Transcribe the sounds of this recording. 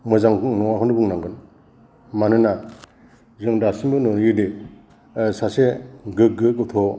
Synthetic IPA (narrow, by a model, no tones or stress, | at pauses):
mɯzaŋnɔŋakʰɔndɯbuŋnaŋɡɯn | manɯna | zɯŋdasimbɯnɔnjɯde | saseɡɯɡɯkɯt̪ʰɔ